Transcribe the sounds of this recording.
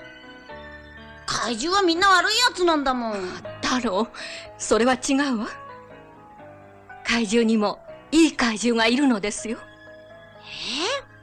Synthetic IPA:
kʰaiʑɨːβamʲĩnːaβaɾɯ̟ijat͡sɨnãnd̪amõ̞t̪aɾoːso̞ɾe̞βat͡ɕiɡaɯ̟βa | kaiʑɨːɲ̟imo̞iːkaiʑɨːɡaiɾɯ̟no̞d̪e̞sɨjo̞ | e

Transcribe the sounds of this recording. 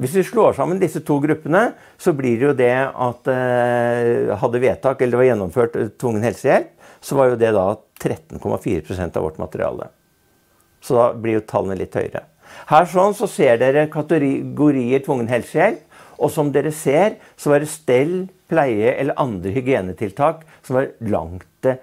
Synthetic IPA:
ʋɪsʋ̪ɪʂɭoːʂɑmːənd̪ɪsːət̪ʰuːɡɾʉpːənə | sɔblɪɾɛjʊd̪ɛɑt̪ | ɦɑd̪ːəʋeːt̪ɑːkɛlːəɾʋɑɾjɛnːɔmføːʈt̪ʰʋʊŋːənhɛlsəjɛlp | sɔʋɑɾjʊd̪ɛd̪ɑt̪ʰɾɛt̪ːən̩kʰɔmʔɑ̰fiːɾəpʰɾʊsɛnt̪ɑ̰ʋɔ̰ʈːmɑ̰t̪əɾɪ̰ɑ̰ːlə̰ | sɔd̪ɑblɪɾjʊt̪ʰɑ̰lːənəlɪt̪ːhœ̰ʏɾə̰ | hæːʂɔnsɔseːɖeːɾəkʰɑt̪əɾɡʊɾiːəʈ̪ʰʋʊŋːənhɛlsəjɛlp | ɔsɔmd̪eːɾəseːɾ | sɔʋɑɖɛst̪ɛlpʰlæɪəʔɛlːəɾʔɑnd̪ɾəhʏɡɪeːnət̪ʰɪlt̪ʰɑːk | sɔmʋɑɾlɑ̰ŋt̪

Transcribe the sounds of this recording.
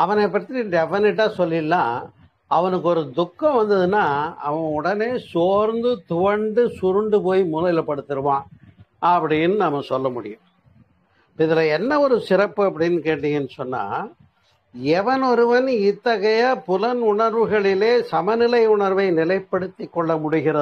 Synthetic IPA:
ɐʋɐnɐɪp̬ːɐʈt̪ːiɖɛfɐnɪʈ̬ːaːsɔlːɪlːaː | ɐʋɐnɯk̬ːɯɔɾɯd̪ʊkːɐ̃ʋɐnd̪ɐðɯnːaːɐ̰ʋɐ̃ʊɽɐneːsoːɾnd̪ɯt̪ʊʋɐɳɖɯsʊɾɯɳɖɯpoːjmʊlɐjlɐpːɐɽɯt̪ːɪɾɯʋãː | ɐpːɐɽɪjɪnːɯnɐmːɐsɔlːɐmʊɽɪ̰jʊ̃ | pɪðɪlɐɛnːɐɔɾɯsɪɾɐpːɯɐpːɐɽɪnːɯkeːʈːɪŋɐnːɯsɔnːa̰ː | ɛʋɐnɔɾɯʋɐnɪt̪ːɐɣɐjapʊlɐnʊɳɐɾʋɯɣɐɭɪleːsɐmɐnɪlɐɪʊɳɐɾʋɐɪnɪlɐɪpːɐɽɯt̪ːɪkːɔɭːɐmʊɽɪɣɪɾɐɯ

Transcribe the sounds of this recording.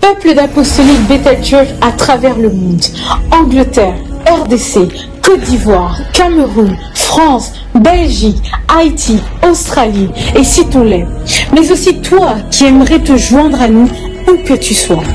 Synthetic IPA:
pœpləd̪apɔst̪ɔlit̪̚bet̪alt̪ɛfat̪χavɛʁləmɔ̃d̪ɑ̃ɡlət̪ɛʁɛʁd̪ese | kɔt̪̚d̪ivwaʁkaməʁun | fχɑ̃s | bɛlʒikajt̪ʰiost̪χaliesit̪ɔ̃lɛmɛzosit̪wakʲiɛmʁɛt̪əʒwɛ̃d̪ʁanu | ukət̪yswa

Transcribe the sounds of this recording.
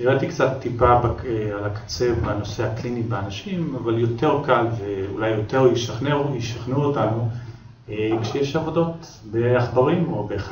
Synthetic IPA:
niʁat̪ikt͡sat̪ːipabaalakḁt͡se̞vbano̞se̞haklinibeanaʃimavaljo̞te̞ʁkalveṵlajːote̞ʁjiʃaχnejiʃaχnuotanu | ekʃejeʃavo̞do̞t | beaχbaʁimobeχ

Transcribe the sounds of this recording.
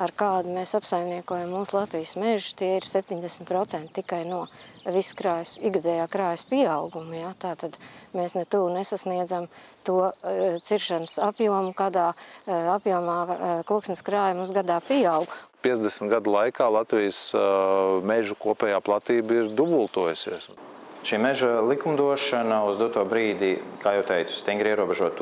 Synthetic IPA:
aɾkaːd̪umeːsapsajmniɛkuɔjamːuːslˠat̪ʋijsmeʒʊ̥t̪iɛiɾsɛp̚ʲt̪ʲiɲd̪ɛsmʲt̪pɾot̪sɛnt̪t̪ikajnuɔʋiskɾaːjsiɡad̪ɛːjaːkɾaːjspiɛɑwɡumjat̪aːt̪ad̪̥meːsnɛt̪uːnesasniɛd̪zamt̪uɔt̪siɾʃansapjuɔmukaːd̪aːapjuɔmaːkuɔksnɪskɾaːjɐmuszɡad̪aːpiɛawɡpʲiɛd̪ʲɛsmʲt̪ɡad̪lˠajkaːlˠat̪vijəs | mɛʒukuɔpʲɛːjaːplˠat̪iːbiɾd̪ubulˠt̪uɔjusḭɛsʃiːmɛʒalˠikumd̪uɔʃanauzd̪ut̪uɔbɾiːd̪ikaːjɛwt̪ɛjt̪sʊ̥st̪iŋɡɾiɛɾuɔbɛʒuɔt̪ː

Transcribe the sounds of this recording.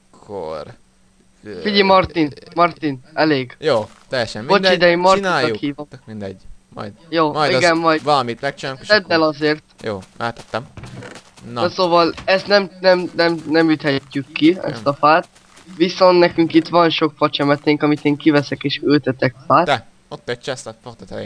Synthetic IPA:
kʰor | fidimɒrt̪inmɒrt̪inɛleːɡjoːt̪ɛjɛʃot͡ʃid̪ɛjimmɒrt̪iɒkhiːvoind̪ɛɟmɒ̰jd̪joːmjiɡɛmmɒjvɒlmit̪mɛk̚t͡ʃaɛd̪ːɛlɒzeːrt̪joːɛt̪ɛt̪ːɛm | nsoːvɒlɛst̪nɛmnɛmnɛmnɛmjyt̪hɛcːykːiɛ̰st̪ɒfaːt̪̚ | ʋiso̞nt̪nɛkyŋkit̪ʋɒnʃo̞kfɒt͡ʃɛmɛt̪eːŋkɒmit̪eːŋkivɛsɛkeːʃøːt̪ɛt̪ɛkfaːt̪ | ot̪ːɛt͡ʃɛst̪ot̪

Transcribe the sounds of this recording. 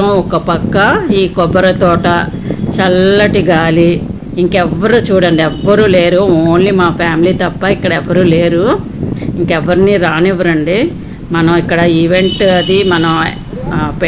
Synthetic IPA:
ɐɔkɐpɐkːɐiːkɔbɐɾɐt̪ɔːʈɐ | t͡ʃɐlːɐʈiɡaːliː | ŋkɛʋːɐɾuːt͡ʃuːɽɐɳɖiɛʋːɐɾuːle̞ːɾuoːnlimaːpʰaːmiliːt̪ɐpːɐikːɐɽɐɛʋːɐɾuːleːɾu | iŋkɛʋːɐɾiniːɾaːnɛʋɐɾɐɳɖi | mɐnɐmikːɐɽɐiʋe̞ɳʈɐd̪imɐnɐ | p

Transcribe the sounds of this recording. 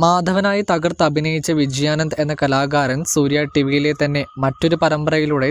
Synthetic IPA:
maːd̪ʱɐʋɐnaːjit̪ɐɡɐrt̪ɐbʱinɐjit͡ɕːɐʋid͡ʑjaːnɐnd̪e̞nːɐkɐlaːɡaːɾɐnsuːɾjaːʈiʋijile̞t̪ɐnːe̞mɐtːo̞ɾupɐɾɐmbɐrɐjiluɽe̞

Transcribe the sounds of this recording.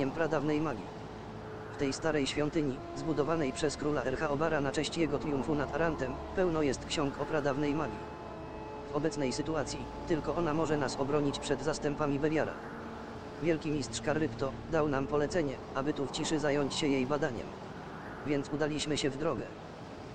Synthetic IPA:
ɛmpɾad̪avnɛjmaɡʲḭ | ft̪ɛjst̪aɾɛjɕfʲjɔnt̪ɘɲi | zbud̪ɔvanɛjpʂɛskɾulaɛɾxaɔbaɾanat͡ʂɛ̃ɕt͡ɕjɛɡɔt̪ɾʲiumfunat̪aɾant̪ɛm | pɛwnɔjɛst̪kɕɔŋkɔpɾad̪avnɛjmaɡʲi | vɔbɛt̪snɛjsɘt̪uat̪sʲji | t̪ɘlkɔɔnamɔʐɛnasɔbɾɔɲit͡ɕpʂɛd̪zast̪ɛmpamʲibɛvʲjaɾa̰ | vʲjɛlkʲimʲist̪ʂkaɾːɘpt̪ɔ | d̪awnampɔlɛt̪sɛɲɛ | abɘt̪uft͡ɕiʂɘzajɔɲt͡ɕɕɛjejbad̪aɲɛ̰m | vʲjɛnt̪sud̪alʲiɕmɘɕɛvd̪ɾɔɡɛ̰

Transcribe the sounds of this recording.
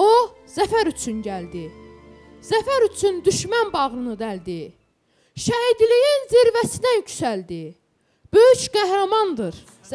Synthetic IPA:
o | z̥æfæɾyt͡ʃʰynɟæld̪i | z̥æfæɾyt͡ʃʰynd̪yʃmænbɑʁɯnɯd̪æld̪i | ʃæid̪lijinziɾvæsinæjycʰsæld̪i | b̥øjyʃɡ̥æhɾɑmɑnd̪ɯɾ

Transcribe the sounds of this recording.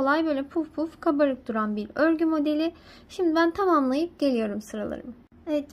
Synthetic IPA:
olˠajbø̞jlʲɛpʰufpʰufkʰabaɾɯk̚d̪uɾanbiɾøɾɟymo̞d̪e̞lʲɪ | ʃimd̪ibænt̪ʰamamlˠajɯp̚ɟ̥e̞lʲijo̞ɾumsɯɾalˠa̰ɾɯ̰m | eɛt̪

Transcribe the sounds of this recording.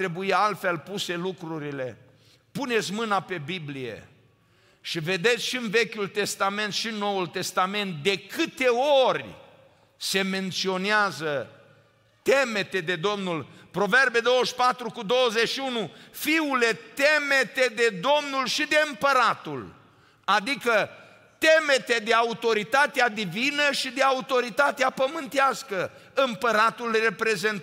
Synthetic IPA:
t̪ɾebuialt̪fe̞lpuse̞lukɾuɾile̞ | pune̞t̪sʲmɨnape̞biblijḛ | ʃive̞d̪e̞t̪sʲʃiɨnve̞kʲult̪e̞st̪ame̞nt̪ʃiɨnːo̞wult̪e̞st̪ame̞nt̪̚d̪e̞kɨt̪e̞orʲ | se̞me̞nt̪sio̞neazə | t̪eme̞t̪e̞d̪e̞d̪o̞mnulpɾo̞ve̞rbe̞d̪owəʃpat̪ɾukud̪o̞wəzet͡ʃʃiunufiule̞t̪emet̪ed̪e̞d̪o̞mnulʃid̪e̞ɨmpəɾat̪ṵl | ad̪ikə | t̪emet̪e̞d̪e̞aut̪o̞ɾit̪at̪ead̪ivinəʃid̪e̞aut̪o̞ɾit̪at̪eapəmɨnt̪easkəɨmpəɾat̪ulre̞pɾe̞zent̪

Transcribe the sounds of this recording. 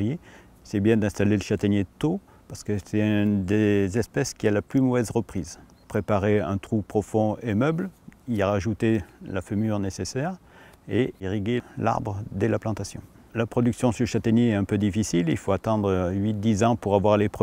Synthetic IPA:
je | sɛbjɛ̃d̪ɛ̃st̪aleləʃat̪anjet̪o | paʁsə̥kəsɛt̪d̪ezɛspɛskʲialaplymɔvɛzʁəpχiz | pχepaʁeɛ̃t̪χupχɔfɔ̃emœblilaʁaʒut̪elafømyʁnesesɛʁeiʁiɡela̰ʁbʁəd̪ɛlaplɑ̃t̪asjɔ̃ | lapχɔd̪yksjɔ̃syʃat̪ɛnjeɛt̪ɛ̃pød̪ifisililfoat̪ɑ̃d̪ʁɥit̪̚d̪izɑ̃puʁavwaʁlepχə

